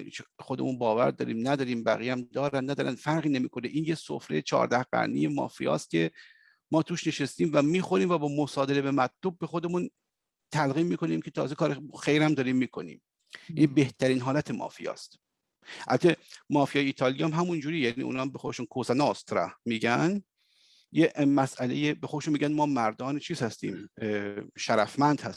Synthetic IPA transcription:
xod̪ḛmunbɒːvæ̰ɾd̪ɒ̰ːɾḭːmnæd̪ɒːɾiːmbæ̰ɣijæmd̪ɒːɾænnæd̪ɒːɾæ̰nfæɾʁiːnemiːkʰoneʔiːnjeso̰fɾet͡ʃʰɒ̰ːɾd̪æhɢæ̰ɾnḭje̞mɒ̰ːfḭjɒ̰ːst̪̚cʲʰe̞ | mɒːt̪ʰuːʃneʃest̪iːmvæmiːxoɾiːmvæbɒːmosɒːd̪eɾebemæt̪̚ʰlob̚ːe̞xod̪e̞mun | t̪ʰælɣiːmːiːko̞niːmkʰe̞t̪ʰɒ̰ːzekʰɒːɾexejɾæmd̪ɒːɾiːmːiːkʰonḭːm | jæiibe̞ht̪ʰæɾiːnɦɒːlæt̪ʰemʔɒ̰ːfḭjɒ̰ːst̪ | ʔæ̰lt̪ʰemɒːfijɒːjeiːt̪ʰɒːlijɒæmɦæmund͡ʒuːɾijænḭʔṵːnɒːmbexod̪eʃuːnkʰosænest̪ɾɑ̰miːɟæn | jemæsʔælḛjebexo̞d̪eʃunmiːɟʲænmɒːmæɾd̪ɒːnet͡ʃʰiːz̥hæst̪ḭːm | ʃæɾæfmænd̪hæ̰s

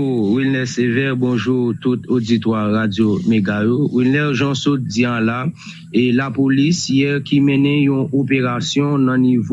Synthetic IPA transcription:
wilnɛsevɛbɔ̃ʒuʁt̪ut̪od͡zit̪waːad͡zjomeɡajowilnɛʒãsɔt̪̚d͡ziãla | elapolisjɛkimɛ̃nɛ̃jɔ̃ʔopeʁasjɔ̃nãniv

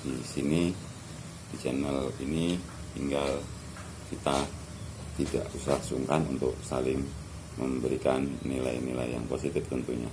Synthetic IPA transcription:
disini | dit͡ʃɛnəlini | t̪iŋɡal | kit̪a | t̪ida̰ʔusahsuŋkanunt̪ʊk̚salɪŋ | məmbəɾikanːila̰jnila̰jja̰ŋposit̪ɪft̪unt̪uɲa̰

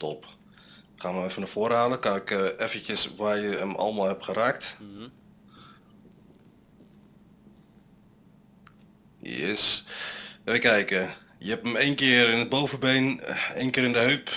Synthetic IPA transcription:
tɔp | χaːnəɛfənəfoəraːləkanɪkɛfətəsʋaːrjəəmʔɑ̰lˠəmalˠɦɛpχəɾaːkt | jɛ̰s | ʋələkɛjkə | jəɦɛpəmejnkɪərɪnəd̚bowvəbejnejnkɪːɾɪndəɦøɥp

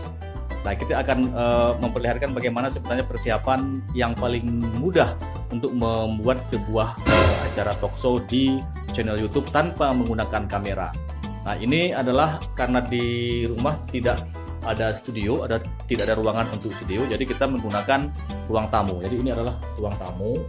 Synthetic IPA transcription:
lakit̪aːkanəməmpərliɦarkanbaɡajmanasəbət̪aɲapərsiapanjaŋpalɪŋmudah | unt̪ʊk̚məmbuat̪̚səbuahʔəa̰t͡ʃaɾat̪ɔksodi | t͡ʃanɛljut̪ʊb̚t̪anpaməŋɡunakankameɾa̰ | nahiniadalahkaɾənadiɾumaht̪idaʔ | adast̪udioada | t̪idaʔadaɾuaŋanunt̪ʊk̚st̪udeod͡ʒadikit̪aməŋɡunakan | ruaŋt̪amud͡ʒadiːniadalah | ruaŋt̪amu

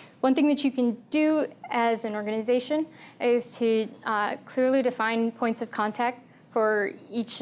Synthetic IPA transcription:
wʌ̃nθɪ̃ŋðɨt͡ʃɨkʰɨ̃nd̥ɨɨzɨ̃nɔɹɡɨnɨzeɪʃɨ̃nʔɪz̥tʰɨ | kʰl̥ɪɹlˠidɨfãɪ̃npʰɔ̃ɪ̃ntsʌv̥kʰɑ̃ntʰæk̚t | fə˞it͡ʃ

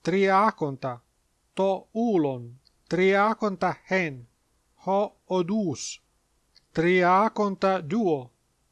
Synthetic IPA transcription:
t̪ɾiakont̪a | t̪oulon | t̪ɾiakont̪ahen | ho | od̪uːs | t̪ɾiakont̪ad̪uo

